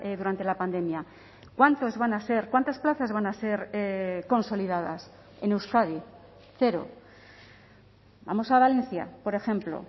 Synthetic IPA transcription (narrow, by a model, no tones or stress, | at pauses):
eðuɾant̪e̞lapand̪e̞mja | kwant̪ozβanase̞ɾkwant̪asplaθazβanase̞ɾko̞nso̞liðaða̰s | e̞ne̞wskaði | θe̞ɾo̞̰ | ba̰mo̞saβale̞n̟θja̰po̞ɾe̞xe̞mplo̞̰